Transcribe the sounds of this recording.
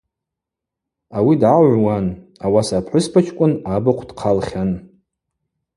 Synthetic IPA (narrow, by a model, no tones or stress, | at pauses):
awidaʕʷwanawasapʰħʷʊspʰat͡ʃʰkʷʼʊnabaqʷʰd̥qʰalχʲan